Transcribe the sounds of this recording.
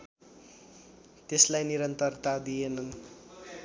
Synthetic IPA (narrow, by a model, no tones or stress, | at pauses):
t̪eslajniɾʌnt̪ʌrt̪ad̪ijenʌn